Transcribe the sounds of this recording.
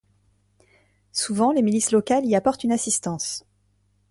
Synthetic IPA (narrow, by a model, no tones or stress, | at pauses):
suvɑ̃lemilislɔkaliapɔʁt̪ynasist̪ɑ̃s